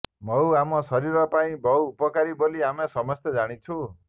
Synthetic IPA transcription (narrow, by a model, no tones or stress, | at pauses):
mʱʌwamʌsʌɾiɾɔpaĩbʱʌwːpɔkaɾiboliamasʌmʌst̪ed͡zaɽ̃it͡sʰu